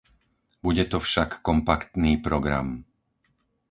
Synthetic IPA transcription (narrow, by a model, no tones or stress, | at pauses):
buɟɛt̪ɔfʃakːɔmpakt̪niːpɾɔɡɾa̰m